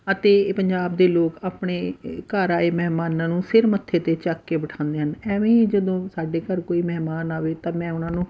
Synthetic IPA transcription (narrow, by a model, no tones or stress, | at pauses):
ət̪eːpəɲd͡ʒaːbd̪eːloːkaːpɳeːkaːɾaːeːmɛɦmaːnãːnũːsɪɾmət̪ʰːeːt̪eːt͡ʃaːkːeːbəʈʰãːnd̪eːɦənɛːʋẽːd͡ʒəd̪õːsaːɖeːkəɾkoːiːmɛɦmaːnaːʋeːt̪ãːmɛ̃ːʊnãːnũː